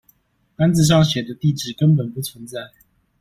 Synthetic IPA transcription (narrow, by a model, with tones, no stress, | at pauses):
ka˥nt͡sɹ̩˨˧ʂ̬ɑ˥˩ŋɕjɛ˨˩d̪ə˦t̪i˥˨ʈ͡ʂɻ̩˥˩kə˦npə˨˩npu˥˩t͡sʰwə˧˦nt͡sa˥˩ɪ